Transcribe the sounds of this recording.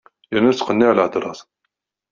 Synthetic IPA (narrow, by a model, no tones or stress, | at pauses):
jənːæt͡sːqənːiʕlʕəd̪ɾˤɑsˤ